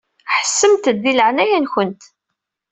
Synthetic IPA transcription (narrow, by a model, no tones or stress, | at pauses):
ħə̥sːəmt̪d̪ːiləʕnæjænçənt̪